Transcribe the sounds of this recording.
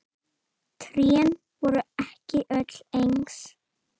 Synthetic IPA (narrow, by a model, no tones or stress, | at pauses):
t̪ʰɾjɛn | vɔɾʏɛhcɪʔœt̪l̥ejŋks